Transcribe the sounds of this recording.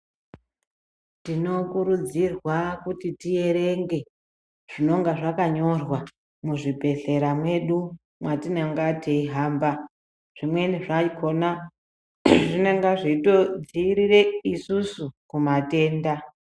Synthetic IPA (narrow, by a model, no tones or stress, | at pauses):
tino̞kuɾud͡zirwakutitije̞ɾe̞ŋɡe̞ | ʐ̥ino̞ŋɡaʐakaɲo̞rwa | muʐibʱe̞ɮe̞ɾamwe̞ɗu | mwatineŋɡateiɦaːmba | ʐ̥imwe̞niʐaikʰo̞na | ʐineŋɡaʐito̞d͡ziɾire̞isusukumate̞ːnda